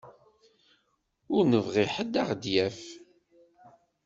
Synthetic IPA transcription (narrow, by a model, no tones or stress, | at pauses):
ʊɾnəvʁiħəd̪ːaʁd̪jæf